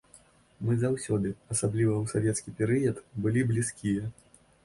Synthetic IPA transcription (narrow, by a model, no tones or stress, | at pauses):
mɨzawsʲɔd̪ɨɐsablʲivɐwsavʲɛt̪skʲipʲɛɾɨjɐt̪bɨlʲiblʲiskʲijɐ